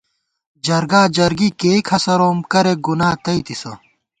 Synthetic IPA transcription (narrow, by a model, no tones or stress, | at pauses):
d͡ʑɐɾɡaːd͡ʑɐɾɡikeːkʰɐsɐɾoːmkɐɾeɡunaːt̪ɐit̪isɐ̰